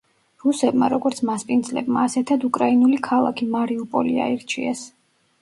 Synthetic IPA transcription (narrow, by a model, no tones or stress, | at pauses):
ɾusɛbmaɾɔɡɔɾt̪sʰmaspʼind̪zlɛ̰bma̰ːsɛt̪ʰad̪ukʼɾainulikʰalˠa̰kʰimaɾiupʼɔ̰lia̰iɾt͡ʃʰiɛs